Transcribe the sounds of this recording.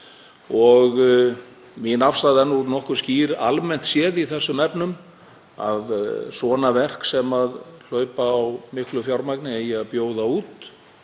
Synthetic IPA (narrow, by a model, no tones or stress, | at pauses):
ɔɣ | minafst̪aðɛnːuɾnɔhkʏsciːɾalmɛn̥t̪sjɛːðiθɛsːʏmɛpnʏm | a̰ðsɔːnavɛr̥ksɛmaðl̥œːɥpaːwmɪhklʏfjawɾmajknɪejaðpjoːwðauːt̪